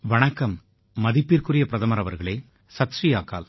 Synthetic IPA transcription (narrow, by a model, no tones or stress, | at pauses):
ʋɐɳɐkːɐmː | ɐðipːirkurɪjɐpɪɾɐðɐmɐɾɐʋɐɾɣɐɭeː | sɐt̪ʂijaːkːa̰ːl